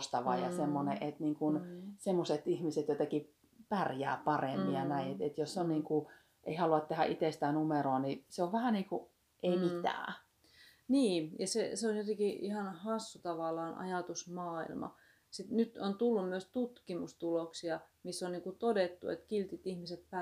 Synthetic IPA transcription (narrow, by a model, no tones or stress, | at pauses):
st̪ɑʋɑ̰jɑ̰semːonḛʔet̪niːŋkunsemːoset̪ihmiset̪jot̪ɑki | pærjæ̰ːpɑremːiɑnæiet̪et̪josseonniːŋku | ʔeihɑluɑt̪t̪ehæʔit̪est̪æːnumeɾoɑniseoʋʋæhæniːŋku | ʔeimit̪æ̰ː | niːjɑseseonjot̪ekiihɑnhɑsːut̪ɑʋɑlːˑɑːnʔɑ̰jɑt̪usmɑːḭlmɑ̰ | sit̪nyt̪ont̪ulːummyøst̪ut̪kimust̪uloksiɑ | misːonniːŋkut̪odet̪ːṵḛt̪kilt̪it̪ihmiset̪̚p